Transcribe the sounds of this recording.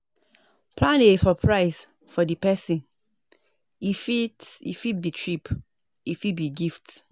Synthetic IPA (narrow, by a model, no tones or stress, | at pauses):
pʰlãneefɔpʰɹaɪs | fɔdipɛsĩn | ifiḭfibitʰɹip | ifibiɡift